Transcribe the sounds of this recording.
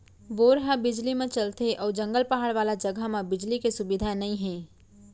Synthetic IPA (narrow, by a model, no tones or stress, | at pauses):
ʋoːɾɦabɪd͡ʒlimẽt͡ʃɐlt̪eʔɔːɾd͡ʒɐ̃ŋɡəlpɐɦaːɽʋaːlad͡ʒɐɡʱamẽbɪd͡ʒlikesʊbɪd̪ʱanɐĩɦɛ̃ː